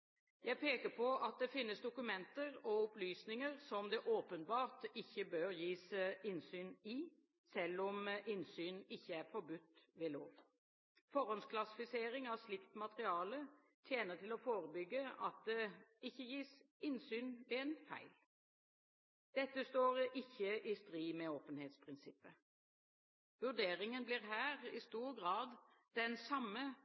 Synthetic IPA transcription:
jæɪpʰeːkəpʰɔʔɑt̪̚d̪ɛfɪnːəsd̪ʊkʉmɛnt̪əɾɔʊplyːsnɪŋəɾsɔmd̪ɛʔoːpənbɑːʁt̪ɪçːəbøːɾjiːsəɪnsyːnɪ | sɛlːɔmɪnsyːnɪçːəæɾfɔɾbʉt̪ːʋɛːloːʋ | fɔɾɔnskʰlɑsɪfɪseːɾɪŋɑʋslɪkt̪mɑt̪əɾɪɑːlə | t̪ʰjeːnət̪ʰɪlɔfoːʁəbʏɡːəɑ̰t̪̚d̪ɛɪçːəjiːsɪnsyːnʋɛɛnfæ̰ɪl | d̪̥ɛt̪ːəst̪oːʁɪçːəʔɪst̪ɾiːmɛoːpənheːt̪spʰʁɪnsɪpːə | ʋʉd̪eːɾɪŋənbliːʁɦæːʁɪst̪uːɾɡʁɑːd̪ | d̪ɛnsɑmːə

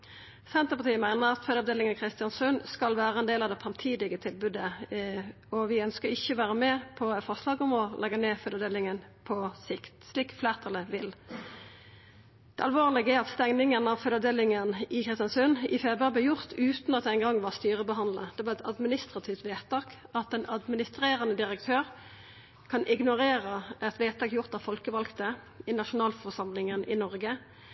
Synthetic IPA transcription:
sɛnt̪əpɑʁt̪iːəmæɪnəʁɑt̪fœd̪ɑʋd̪eːlɪŋənkʰɾɪst̪ɪɑnsʉnskɑlʋæːʁəɛnd̪eːlɑʋd̪ɛfʁɑmt̪ʰiːd̪ɪɡət̪ʰɪlbʉd̪ə | ɔʋɪœnskəɪçːəʋæːʁəmɛpʰɔfɑslɑːɡɔmɔlɛɡəneːfœd̪ɑd̪eːlɪŋənpʰɔsɪkt̪sliːkfleːʁt̪ʰɑləʋɪl | d̪̥ɛɑlʋoːʁlɪɡəæɑt̪st̪ɛŋnɪŋənɑʋfœd̪ɑʋd̪eːlɪŋənɪkʰʁɪst̪jɑnsʉnɪfeːbɾɑblɛːjʊʁt̪ʰʉːt̪nɑt̪̚d̪ɛɪŋɡɑŋːʋɑʁst̪yːʁəbəɦɑnd̪ləd̪̥ɛʋɑːʁɛt̪ʰɑ̰d̪mɪnɪst̪ʁɑt̪ʰɪft̪ʋeːtt̪ɑːkɑt̪̚d̪ɛnɑd̪mɪnɪst̪ʁeːʁənəd̪ɪɾək̚t̪ʰøːʁ | kʰɑnʔɪɡnʊʁeːʁəɛt̪ʋeːt̪t̪ʰɑːkjʊʁt̪ɑʋfɔlkəʋɑlkt̪ə | ɪnɑʃʊnɑːlfɔʁʂɑmlɪŋənʔɪ̰nɔʁɡə

